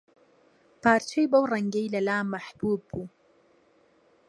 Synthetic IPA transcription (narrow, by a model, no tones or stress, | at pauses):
paːɾt͡ʃejbawɾaŋɡejlalaːmaħbuːb̚u